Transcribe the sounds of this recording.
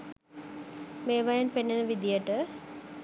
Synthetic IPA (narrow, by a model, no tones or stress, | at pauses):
meːʋajənpenːenəʋid̪ijəʈə